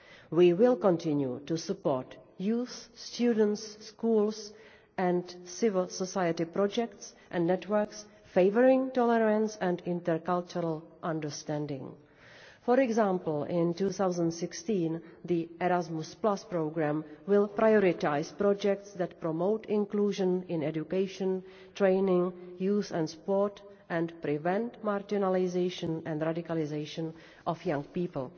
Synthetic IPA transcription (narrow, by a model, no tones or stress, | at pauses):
wiːwɪlkõntɪ̃njṵtusupoɹtjuːθːt̪judn̩tsːkuːls | ʔɛ̃ntsɪvəlsosajətɪpɾɔd͡ʒɛktsʔɛ̃ndnɛtwə˞ks | feɪvəɹɪ̃ŋtɔlɛɾãnsɛ̃ndɪ̃ntɛɹkalt͡ʃuɾəlʔãndəɹstɛ̃ndɪ̰̃ŋ | fɔɾɛɡzãːmpl̩ɪ̃ntuːθawzə̃ntsɪkstĩːnd̪iʔɛɾazmʊsplaspɾowɡɾãmwɪlpɾʔajoɾɪtajspɾɔd͡ʒɛk̚tsd̪ɛtpɾomowtʰɪ̃nkluːʒə̃nɪ̃nɛd͡ʒukeɪʃə̃n | tɾeɪnɪ̃ŋjuːzɛ̃ntspoɹt | ʔɛ̃ntpɾɪvɛ̃ntmaɾd͡ʒɪnalɪzeɪʃə̃nɛ̃ndɾadɪkalɪzeɪʃə̃n | ʔɔfjãŋpiːpl̩